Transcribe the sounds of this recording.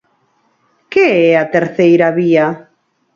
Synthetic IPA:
keɛat̪eɾθejɾaβia

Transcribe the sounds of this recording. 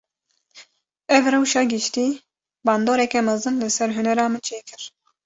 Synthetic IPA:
ɛvrɛwʃɑːɡɨʃt̪iː | bɑːnd̪oːɾɛkɛmɛzɨnlɨsɛɾɦʊnɛɾɑːmɨnt͡ʃʰeːkɨɾ

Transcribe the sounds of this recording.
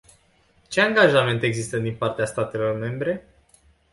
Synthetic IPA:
t͡ʃe̞aŋɡaʒame̞nt̪e̞ɡzist̪əd̪inpart̪east̪at̪e̞lo̞rme̞mbɾe̞

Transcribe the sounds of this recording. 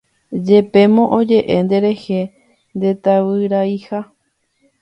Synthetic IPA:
d͡ʒe̞pe̞mõ̞ʔõd͡ʒe̞ʔend̪e̞ɾe̞he̞ | nd̪e̞t̪awɨɾaiha

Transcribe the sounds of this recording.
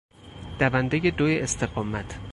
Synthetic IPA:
d̪̥ævænd̪ejed̪oːjeʔest̪ʰe̞ɡɒːmæt̪ʰ

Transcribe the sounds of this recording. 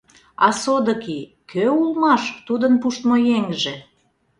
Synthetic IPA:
ɑsod̪ə̆ki | køulmɑʃt̪ud̪ənpuʃt̪mojeŋʒĕ

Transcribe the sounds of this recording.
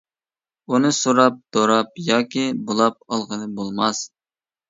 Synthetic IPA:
unɨsoɾɑp̚d̪̥oɾɑp̚jɑːkʲibolˠɑp̚ɑlˠʁənɨbolˠmɑs

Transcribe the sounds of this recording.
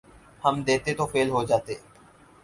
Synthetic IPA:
həmd̪eːt̪et̪ofeːlɦod͡ʒaːt̪eː

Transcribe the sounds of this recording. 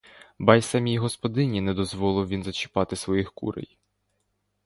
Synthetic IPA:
bɑjsɐmʲijiɦɔspɔd̪ɪnʲinɛd̪ɔzʋɔlˠɪwʋʲinzɐt͡ʃɪ̥pɑt̪ɪsʋɔjixkṵɾḛj

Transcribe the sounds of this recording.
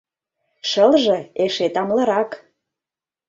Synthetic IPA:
ʃəlʒɤ̆eʃet̪ɑmlə̆ɾɑk

